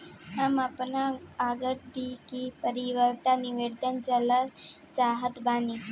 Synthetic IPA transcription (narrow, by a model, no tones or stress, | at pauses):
ɦamapnaːɡəʈd̪ikipəɾiʋəɾt̪aniʋed̪ʱənd͡ʒəlat | t͡saɦət̪bani